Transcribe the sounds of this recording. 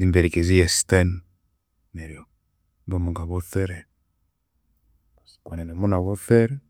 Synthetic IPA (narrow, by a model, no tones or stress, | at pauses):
imbɛɾikezijɛsi̥tan | nɛɾiɔ | bɔmɔŋɡaβɔθɛɾɛ | askwanɛnɛmɔnaβɔθɛɾɛ